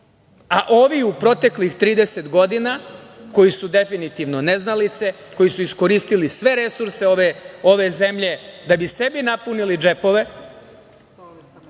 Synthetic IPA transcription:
aʔo̞ːʋiupɾo̞t̪e̞klixt̪ɾiːd̪ese̞t̪ɡo̞d̪inako̞jisud̪e̞finit̪iʋno̞ne̞znalit̪se̞ | ko̞jisuisko̞ɾiːst̪ilisʋe̞ɾe̞suɾse̞oʋeo̞ʋe̞ze̞mʎe̞d̪abise̞binapunilid͡ʒe̞po̞ʋe̞

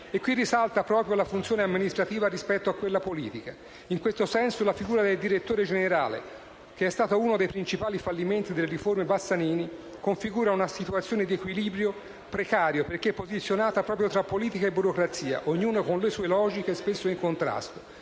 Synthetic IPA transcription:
ekːwirːisalt̪apɾɔːpɾjolafunt̪sjoːneamːinist̪ɾat̪iːvarispɛt̪ːoakːwelːapolḭːt̪ika | iŋkwest̪osɛnsolafiɡuːɾad̪eld̪iɾet̪ːoːɾed͡ʒeneɾa̰ːlḛ | k̟eɛst̪aːt̪ouːnod̪ejpɾint͡ʃipaːlifalːiment̪id̪elːeɾiformebasːaniːni | koɱfiɡuːɾaunasit̪uat̪sjoːned̪iekwiliːbɾjo | pɾekaːɾjoperkeɛpːozit̪sːjonaːt̪apɾɔːp̬ɾjot̪ɾapːoliːt̪ikaebːuɾokɾat̪sːiːa̰ʔoɲːuːnokonlesuːelɔːd͡ʒikespesːoiŋkont̪ɾa̰st̪o̥

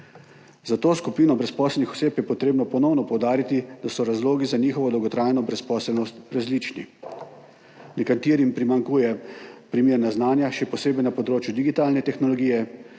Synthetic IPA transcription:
zat̪oːskupiːnɔbɾɛspɔːsɛlnixɔ̥seːpjɛpɔt̪ɾeːbnɔpɔnɔwnɔpɔwd̪aːɾit̪id̪asɔɾazloːɡizaniːxɔʋɔd̪ɔwɡɔt̪ɾaːjnɔbɾɛspɔːsɛlnɔst̪ɾazlit͡ʃnḭ | nɛkat̪iːɾimpɾimaŋkuːjɛpɾimeːɾnaznaːnjaʃɛpɔseːbɛjnapɔd̪ɾoːt͡ʃjud̪iɡit̪aːlnɛt̪ɛxnɔlɔɡiːjɛ

